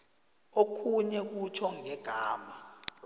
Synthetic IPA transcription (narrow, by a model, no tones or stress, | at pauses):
okʰuɲɛk̬ut͡ʃʰɔŋɛɡ̥ʱaːma